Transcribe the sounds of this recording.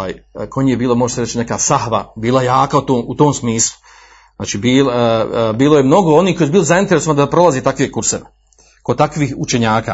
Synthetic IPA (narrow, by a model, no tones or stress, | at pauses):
a̰ːjkʰo̞ɲijebiːlˠomo̞ʒeseɾet͡ʃine̞kaːsahʋabiːlˠajaːkaut̪oːmut̪oːmsmiːslˠu̥ | za̰ːt͡ʃiːbiːlbiːlojemno̞ɡo̞oniːhkojesbiːlozaint̪eɾesoand̪apɾo̞lazet̪akʋeekuɾseʋe | kod̪t̪akʋiːut͡ʃe̞ɲaːka̰ː